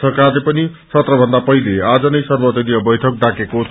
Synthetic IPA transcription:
sʰʌkalepʌnisʌt̪rʌbʱʌnd̪apʌɦilead͡zʌnʌjsʌrbʌt̪ʌlijʌbʌjʈʰʌk̚d̪akekot͡sʰ

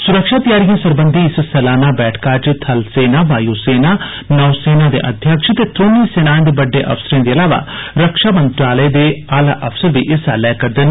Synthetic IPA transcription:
sʊɾəkʃaːt̪ɪjaːɾijãːsəɾbənd̪ʱiːɪssɛlaːnaːbɛːʈʰkaːt͡ʃt̪ʰəlseːnaːʋaːjuːseːnaː | nɔːseːnãːd̪ḛːʔə̰d̪ʱjəkʂt̪eːt̪ɾoːniːseːnãːnd̪ebəɖːeːʔə̰fsəɾẽːd̪eːəlaːʋa̰ːɾəkʃaːmə̃nt̪ɾaːləed̪eːaːlaːʔəfʰsəɾʋiːʔɪsaːlɛːkəɾd̪ɪn

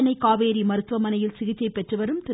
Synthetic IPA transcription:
nɐɪkːaːʋeːɾimɐɾɯt̪ːʋɐmɐnɐjɪlsɪɣɪt͡ʃːɐɪpːɛʈrɯʋɐɾɯmt̪ɪ

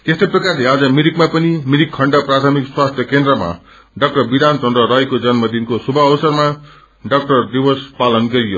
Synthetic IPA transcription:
t̪est̪ojprʌkarlead͡zʌmiɾikmapʌnimiɾikʰːʌɳɖʌprat̪ʰʌmikswast̪ʰjʌkend̪rʌma̰ | ɖʌk̚ʈʌrbid̪ant͡sʌnd̪rʌɾʌjekod͡zʌnmʌd̪inkosubʱʌːbʌsʌrma | ɖʌk̚ʈʌrd̪ibʌspalʌnɡʌɾijo

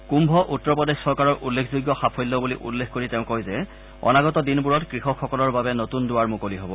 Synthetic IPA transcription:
kumbʱɔʔutːɔpɔdexsɔɹkaɹɔɹʔulːekʰzuɡjɔxapʰojlːɔbuliʔṵlːexkoɹiteʊ̃kojzɛ | ɔ̰naɡɔtɔdinbuɹɔtkɹixɔkʰːɔkɔlɔɹbabɛnotundʊaɹmokoliɦobɔ

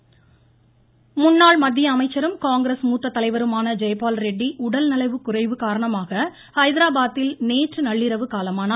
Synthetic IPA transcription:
mʊnːaːɭmɐd̪ːɪjɐːmɐɪt͡ʃːɐɾɯmkaːŋɡɾɐsmuːt̪ːɐt̪ːɐlɐɪʋɐɾɯmaːnɐd͡ʒɛjpaːlɾɛɖːiʔʊɽɐlnɐlɐɪʋɯkːʊrɐɪʋɯkaːɾɐɳɐmaːɣɐ | hɐɪðɪɾaːbaːt̪ːɪlneːʈrɯnɐɭːɪɾɐʋɯkaːlɐmaːnɐ

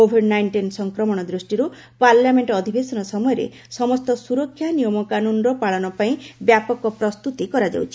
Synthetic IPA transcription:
obʱeɾɖnajɳʈinsɔŋkɾɔmɔɽ̃ɔd̪ɾusʈiɾu | paɾljameɳʈɔːd̪ʱibesɔnɔsɔmɔjɔɾḛ | sɔmɔst̪ɔsuɾɔkʰːjanijɔmɔkanunɾɔpaɭɔnɔpaĩbjapɔkɔpɾɔst̪ut̪ikɔɾad͡ʒa̰wt͡ʃʰi̥

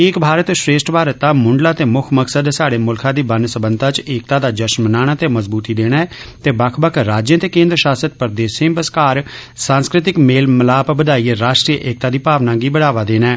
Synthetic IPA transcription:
ɪːkbʱaːɾət̪ʃɾeːsʈbʱaːɾət̪ːãːmʊɳɖlaːt̪eːmʊkʰməksəd̪saːɽeːmʊlkʰãːd̪iːbənsəbə̃nt̪at͡ʃeːk̚t̪aːd̪aːd͡ʒəʃnmənaːɽ̃aːt̪eːməzbuːt̪iːd̪eːɽ̃aːt̪eːbəkʰbəkʰɾaːd͡ʒjə̃t̪eːkẽːnd̪ɾəʃaːsət̪̚pəɾd̪eːsẽbəskaːɾsãːnskɾɪt̪ɪkmeːlməlaːpbəd̪aːiːɾaːʃʈɾiːʔeːk̚t̪aːd̪iːpaːʋnãːɡiːbəɽaːʋaːd̪eːnɛː

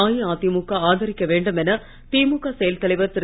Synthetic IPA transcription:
aːjiaːt̪imukːaaːðɐɾɪkːɐʋeːɳɖɯmɛnɐ | t̪iːmukːaːsɛjɐlt̪ɐɭɪʋɐɾt̪ɪɾ

